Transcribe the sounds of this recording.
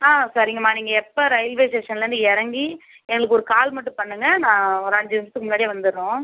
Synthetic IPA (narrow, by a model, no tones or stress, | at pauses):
aːsaɾɪŋɡɐmaːniːŋɡɐɛpːɐɾɐɪlʋeːsɛʂɐnlɐɾɯnd̪ɯɛɾɐŋɡi | ɛŋɡɐɭɯkːɔɾɯkaːlmɐʈːɯ̃pɐɳːɯŋɡɐnãːɾaːɲd͡ʒɐʋɪɾɐt̪ːɯkːɯmʊnːaːɽiʋɐnd̪ɯɾɯnõː